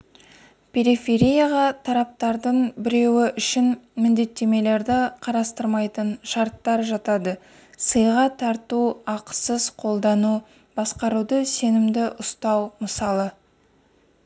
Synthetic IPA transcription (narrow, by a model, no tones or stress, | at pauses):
pʲʰe̞ɾifʲe̞ɾʲijaʁɑt̪ʰɑɾɑp̚t̪ɑɾd̪əɴbɪɾe̞wɪʔʏʃɪnmɪnd̪e̞t̪ːe̞me̞le̞ɾd̪ɪqʰɑɾɑst̪əɾmɑjt̪ənʃɑɾt̪ːɑɾʒɑt̪ɑd̪ə | səjʁɑt̪ʰɑɾt̪uɑqsəzqʰo̞lˠd̪ɑnu | b̥ɑsqɑɾud̪əse̞nɪmd̪ɪʔʊst̪ɑwməsɑlˠə